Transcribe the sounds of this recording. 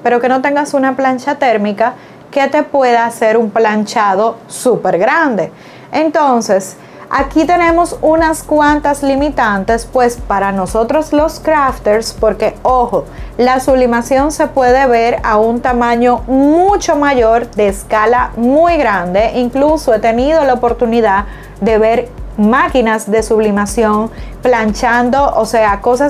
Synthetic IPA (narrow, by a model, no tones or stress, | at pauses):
pe̞ɾo̞ke̞no̞t̪e̞ŋɡasunaplant͡ʃat̪e̞ɾmika | ke̞t̪e̞pwe̞ðaːse̞ɾumplant͡ʃað̞o̞ | supe̞ɾɣɾand̪e̞ | ent̪o̞nse̞s | akit̪e̞ne̞mo̞sunaskwant̪aslimit̪ant̪e̞spwe̞spaɾano̞so̞t̪ɾo̞slo̞skɾaft̪eɾspo̞ɾke̞oxo̞lasuβlimasjo̞nse̞pwe̞ð̞e̞βe̞ɾaunt̪amãɲo̞mut͡ʃo̞maʝo̞ɾd̪e̞ːskalamujɣɾand̪e̞ʔiŋklusoe̞t̪e̞nið̞o̞laopo̞ɾt̪uniða | d̪e̞βe̞ɾmakinasðe̞suβlimasjo̞ŋplant͡ʃand̪o̞ʔose̞ako̞sa